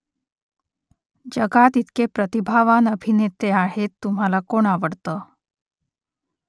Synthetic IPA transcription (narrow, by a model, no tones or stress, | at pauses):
d͡ʑəɡat̪it̪kepɾət̪ibʱaʋanəbʱinet̪eaɦet̪ːum̤alakoɳ̃aʋəɽt̪ə